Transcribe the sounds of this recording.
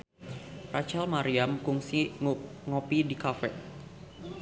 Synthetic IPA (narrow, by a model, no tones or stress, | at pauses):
rat͡ʃalmaɾiamkuŋsiŋɔpidikafɛ̰